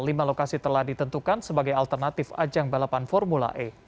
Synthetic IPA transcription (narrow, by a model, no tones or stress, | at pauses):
limalokasit̪əlahdit̪ənt̪ukansəbaɡajalt̪ərnat̪ɪfa̰d͡ʒaŋbalapanfɔrmula̰ʔe